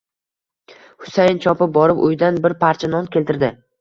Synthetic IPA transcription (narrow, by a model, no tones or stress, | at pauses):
hʊ̥sajnt͡ʃʰɒpɪp̚bɒɾɪpʊ̰jd̪anbɪɾpʰaɾt͡ʃʰanɒnkʲelt̪ɪɾd̪ɪ